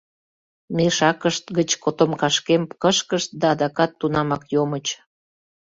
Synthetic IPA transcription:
meʃɑkəʃt̪ɡət͡ɕkot̪omkɑʃkemkəʃkəʃt̪̚d̪ɑd̪ɑkɑt̪ːunɑmɑkjomət͡ɕ

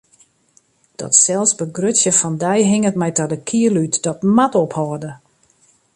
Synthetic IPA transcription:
d̥ɔ̰tsɛlˠsbəɡrøtsjəfɔndɛjɦɪŋətmɛjtɔdəkʰiəlytdɔtmatophɔːdə

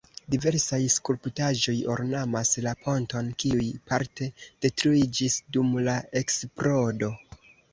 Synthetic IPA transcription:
dive̞ɾsajskulptaʒo̞jo̞̰ɾnamaslapʰo̞nto̞nkiujpaɾte̞d̥e̞tɾuid͡ʒisdumlae̞kspɾo̞do̞

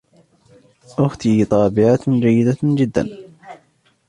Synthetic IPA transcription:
ʔʊxt̪it̪ˤɑːbɪʕat̪d͡ʒajːɪd̪ad͡ʒɪd̪ːa̰n

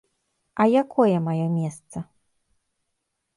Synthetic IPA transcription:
ʔajakʰɔjamajɔ̃wmʲjest̪sa

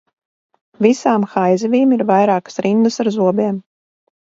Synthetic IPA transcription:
visaːmxajzɛvʲiːmiɾvajɾaːkə̥sɾind̪ɨsaɾzuɔbʲiɛm

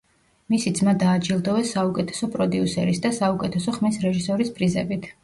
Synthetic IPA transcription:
misid̪zmad̪aːd͡ʒilˠd̪ɔvɛsːaukʼɛt̪ʰɛ̥sɔpʼɾɔd̪iusɛɾisd̪asaukʼɛt̪ʰɛsɔχmisɾɛʒisɔɾispʼɾizɛ̰bit̪ʰ

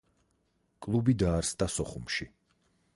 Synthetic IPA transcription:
kʼlˠubid̪aːɾst̪ʼasɔχumʃi

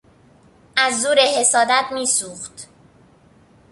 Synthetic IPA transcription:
ʔæzːuːɾehe̞sɒːd̪æt̪miːsuːxt̪

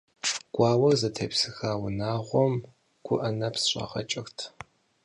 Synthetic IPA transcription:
ɡ̥ʷɑːwɐrzɐtʰḛːpsɨxaːwʊnaːʁʷɔm | ɡ̥ʷʊʔɐnɐpsɕʼɐ̰ʁɐ̰t͡ʃʼɪxtʰ

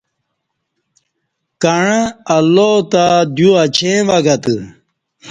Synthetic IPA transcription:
kaɳɐlot̪ad̪juɐt͡ɕʰẽʋɐɡɐt̪ɨ

